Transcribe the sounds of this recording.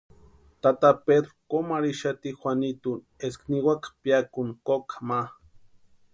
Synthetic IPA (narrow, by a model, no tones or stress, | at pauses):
t̪at̪aped̪ɾokomaɾiʃat̪ixʷanit̪un | eskniwakḁpjakunkokama